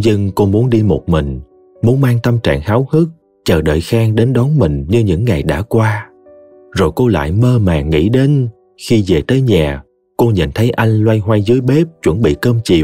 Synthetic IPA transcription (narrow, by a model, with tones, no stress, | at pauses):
zɨ˧ŋko˧mu˨˦ənɗi˧mo˨˩t̚mï˨˩ŋ̟ | mu˨˦ənmaː˧ŋt̪ə˧mt͡ɕa̰ː˧˨ŋhaː˨˦whɨ˦˥k̚ | t͡ɕəː˨˩ɗə̰ː˧˨jxaː˧ŋɗe˨˦nɗɔ˨˦nmï˨˩ŋ̟ɲɨ˧ɲɨ̰˧˥ŋːa˨˩jɗa̰ː˧˥kwaː˧ | zo˨˩jko˧la̰ː˧˨jməː˧maː˨˩ŋḭ˧˥ɗe˨˦n | xi˧ze˨˩t̪əː˨˦jɲaː˨˩ | ko˧ɲə̰˧˨nt̪ʰə˨˦jʔa˧jŋ̟lwa˧jɦwa˧jzɨ˨˦əjɓe˦˥p̚t͡ɕwə̰˧˩nɓḭ˧˨kəː˧mt͡ɕḭ˨˩